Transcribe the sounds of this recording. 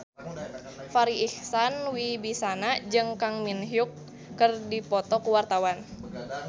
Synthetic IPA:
faɾiihsanwibisanad͡ʒɨŋkaŋminɦjukː | ɨrdipɔt̪ɔkuwart̪awan

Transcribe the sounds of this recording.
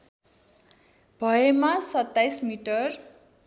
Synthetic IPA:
bʱʌemasʌt̪ːajsmiʈʌr

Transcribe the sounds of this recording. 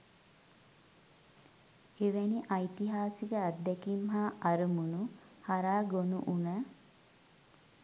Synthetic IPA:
eʋæniʔɐjt̪iɦaːsikəad̪ːɛkimɦaɐɾumunu | haɾaːɡonuʔunə

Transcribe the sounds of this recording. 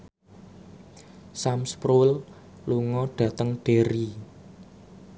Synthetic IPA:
samspɾul | luŋɔɖ̥ä̤t̪əŋɖ̥e̤ɾi

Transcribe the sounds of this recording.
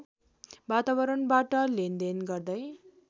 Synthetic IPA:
bat̪abʌɾʌnbaʈʌlend̪enɡʌrd̪ʌj

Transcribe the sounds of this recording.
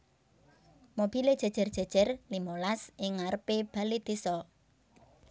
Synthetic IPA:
mob̥i̤led̥ʒ̥a̤̥ʒ̥ə̤rd̥ʒ̥a̤d̥ʒ̥ə̤rlimolasɪŋːaɾəpeb̥a̤lid̪̥i̤sɔ

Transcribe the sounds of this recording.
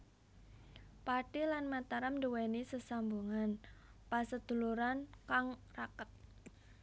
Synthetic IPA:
paʈilanmat̪aɾamduwenisəsambuŋanpasəd̪̥ṳluɾankaŋrakət̪̚

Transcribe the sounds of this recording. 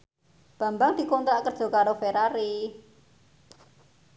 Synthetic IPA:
b̥ä̤mbaŋd̪̥i̤kont̪ɾaʔkərd̥ʒ̥o̤kaɾofeɾaɾi

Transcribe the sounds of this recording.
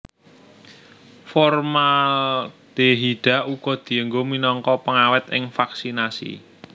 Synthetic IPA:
fɔrmalld̪̥eɦiɖ̥a̤ʔuɡ̥ɔ̤d̪̥i̤əŋɡominɔŋkɔpəŋawɪt̪ɪ̰ŋfaksinasḭ

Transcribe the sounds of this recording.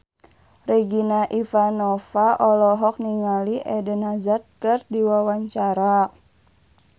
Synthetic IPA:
reɡinaʔifanɔfaʔɔlɔɦɔk̚niŋaliʔɛdənazat̪̚kɨrdiwawaɲt͡ʃaɾa

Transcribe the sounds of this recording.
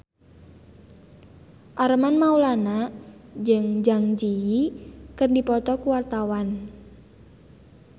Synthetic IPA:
ʔaɾəmanmaulanad͡ʒɨŋd͡ʒaŋd͡ʒiikərndipɔt̪ɔkuwart̪awan

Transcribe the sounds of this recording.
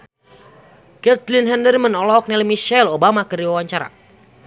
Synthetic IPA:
kɛt̪linɦɛndərmənɔlɔk̚nɛlmiʃɛlobamakəɾiwawaɲt͡ʃaɾa̰

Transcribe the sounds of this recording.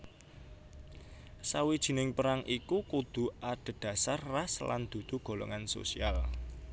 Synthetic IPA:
sawid̥ʒ̥i̤nɪŋpəɾaŋʔikukud̪̥ṳʔaɖ̪̥ə̤d̪̥ä̤sarːasla̰nd̪̥ṳd̪̥ṳɡ̥o̤lɔ̰ŋanso̰sial

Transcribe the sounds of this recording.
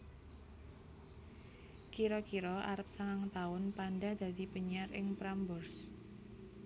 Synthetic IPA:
kiɾɔkiɾɔʔa̰ɾəp̚saŋaŋt̪aʊnpanɖad̪̥a̤d̪̥i̤pəɲiarɪŋpɾambʊrs

